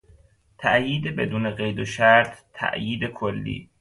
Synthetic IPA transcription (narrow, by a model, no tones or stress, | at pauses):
t̪ʰæʔjiːd̪ebe̞d̪uːneɣejd̪oʃæɾt̪ʰːæ̰ʔjiːd̪ekʰolːḭː